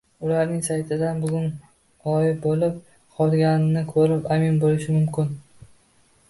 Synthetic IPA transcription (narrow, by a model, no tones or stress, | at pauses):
ʊlaɾnɪŋsajt̪ʰɪd̪anbʊɡʲʊn | ɒjɪbolɪp̚ | qʰɒlˠɡʲanɪnɪkʰɵɾɪpamɪnbolɪʃɪmʊmkʲʰɪn